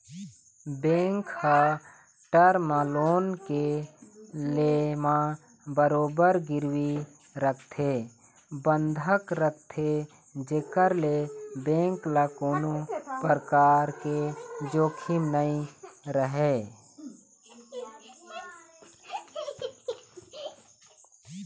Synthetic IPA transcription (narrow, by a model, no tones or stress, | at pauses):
bẽːŋkha | ʈəɾmãloːnke | lemã | bəɾoːbəɾɡɪɾwi | ɾəkʰt̪ʰe | bənd̪ʱəkɾəkʰt̪ʰe | d͡ʒekəɾlebẽːŋklakoːnopəɾkaːɾked͡ʒoːkʰimnəĩɾəɦe